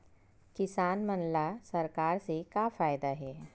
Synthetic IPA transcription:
kɪsaːnmənlasɐɾkaːɾsekafaːjd̪aɦɛː

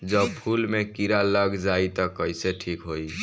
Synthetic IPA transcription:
d͡ʒəbpʰulmekiɾaləɡd͡ʒait̪ɔkəɪseʈʰiːkɦoi

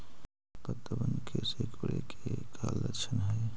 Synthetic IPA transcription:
pət̪ːəbənkʰesekʰuɾekʰekʰalːə̰t͡ʃʰənɦəj

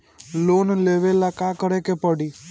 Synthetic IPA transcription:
lonleʋelakakəɾekepəɽi

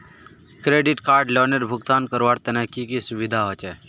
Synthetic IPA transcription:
kɾeːɖɪʈkaːɾɖlɔːneɾbʱʊɡt̪aːnkəɾʋaːɾt̪ənɛkikisʊʋɪd̪ʱaɦoːt͡ʃɛː

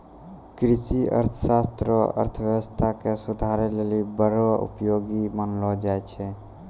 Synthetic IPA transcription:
kɾɪʃiʔə̰ɾt̪ʰə̥ʃaːst̪ɾəə̰ɾt̪ʰəʋjɛʋəst̪ʰakesʊd̪ʱaɾelelibəɾoʊ̰pjoːɡimənlɔd͡ʒaet͡ʃʰe

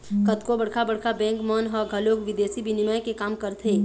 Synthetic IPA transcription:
kət̪kobəɽkʰabəɽ̤kʰabɛ̃ːŋkmənɦəɡʱəloːɡʋɪd̪eːsibʱinimajkekaːmkəɾt̪ʰeː

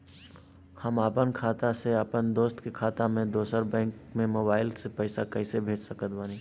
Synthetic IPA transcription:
həmaːpənkʰaːt̪aseəpənd̪oːst̪kekʰaːt̪amẽd̪oːsəɾbɛ̃ːŋkmẽmoːbaːɪlsepəɪsakəɪsebʱeːd͡ʒsəkət̪baːniː

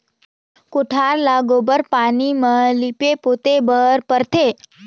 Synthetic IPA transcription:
koʈʰaɾlaɡobəɾpanimãlipepot̪ebəɾpəɾt̪ʰe

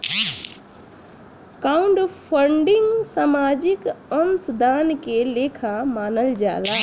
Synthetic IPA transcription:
kaũɳɖpʰəɳɖiŋɡsamad͡ʒikənsd̪ankelekʰamanəld͡ʒa̰la

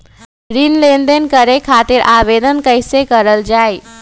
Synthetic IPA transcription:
ɾinlenɖ̪enkəɾekʰat̪iɾʔaʋed̪ənkəjsekəɾəld͡ʒaj

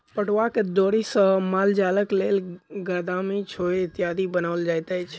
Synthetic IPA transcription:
pəʈʋaked̪oɽisə̃mald͡ʒaləklelɡad̪amit͡ʃʰoeɪt̪ijad̪ibənaʋəld͡ʒajt̪ajt͡ʃʰ

